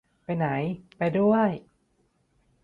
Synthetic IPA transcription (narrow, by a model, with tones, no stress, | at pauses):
pa˧jna˩˦jpa˧jdu˥˩əj